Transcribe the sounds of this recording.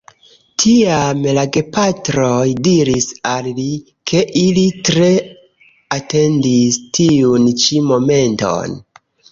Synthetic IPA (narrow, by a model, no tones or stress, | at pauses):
tʰiamlaɡe̞patɾojdiɾisalli | kʰe̞ʔilitɾe̞ | ate̞ndistiunt͡ʃimo̞me̞nto̞̰n